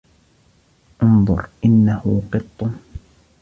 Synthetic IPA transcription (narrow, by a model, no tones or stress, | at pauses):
ʔʊnðˤʊ̰ɾʔɪnːahʊqɨt̪ˤːʊ